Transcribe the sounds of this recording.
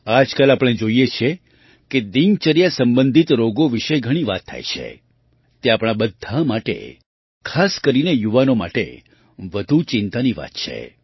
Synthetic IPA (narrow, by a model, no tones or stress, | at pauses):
ad͡ʒkalapɽ̃ed͡ʒoijet͡ʃʰe | ked̪iŋt͡ʃəɾijasəmbənd̪ʱit̪ɾoɡoʋiʃeɡʱəɽ̃iʋat̪ʰːa̰jt͡ʃʰḛ | t̪eapɽ̃abəd̪ʱːamaʈḛ | kʰaskəɾinejuʋanoma̰ʈḛ | ʋəd̪ʱut͡ʃɪnt̪aniʋa̰t̪t͡ʃʰḛ